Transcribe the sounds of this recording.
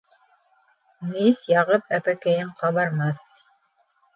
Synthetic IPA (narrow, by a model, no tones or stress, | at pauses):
nisjɑʁɤpæpækæjɘɴqɑβɑɾmɑθ